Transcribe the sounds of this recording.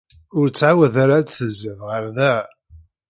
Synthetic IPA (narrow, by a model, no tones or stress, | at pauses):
ʊɾt͡sːʕawəðaɾad̪θəzəvʁəɾðæ